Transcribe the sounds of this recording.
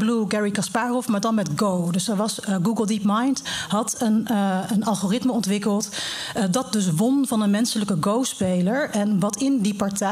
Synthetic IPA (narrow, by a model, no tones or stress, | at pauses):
bluɡɛɹikɑspaːrɔfmaːɹdɑnmɛtɡowdɵsəɹʋɑsɡuɡəlˠdipmɑjntɦɑtənənɑlˠχorɪtməɔntʋɪkəlˠtdɑt̚dɵs̬ʋɔnvɑnənmɛnsələkəɡowspejləɹɛnʋɑtɪndipɑɹtɛ